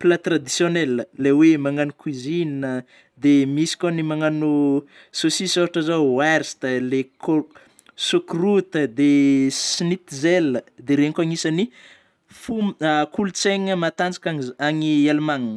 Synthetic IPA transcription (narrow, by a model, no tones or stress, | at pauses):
plat̪rad̪isjoneləlewemaŋanukwizinə | d̪emisi̥kʲanimaŋanu | sosisoɦaʈ͡ʂəzawaɾst̪aleko | sokrut̪əd̪esinit̪izeləd̪eɾeŋkaŋisani | fumkʰulut͡seŋəmat̪and͡zḁkaaŋialumaŋnə